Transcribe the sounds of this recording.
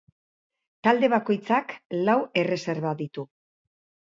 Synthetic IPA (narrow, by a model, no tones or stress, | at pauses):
t̪ald̪e̞β̞ako̞jt͡saklawe̞re̞se̞ɾβaðit̪u